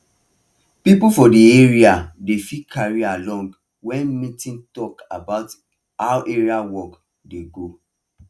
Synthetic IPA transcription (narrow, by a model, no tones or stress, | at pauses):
pipufɔdieɹiadefikʰaɹialɔ̃ŋɡ | wɛ̃nmĩtĩntɔkabaʊt | haʊʔeɹiawɔk | deɡo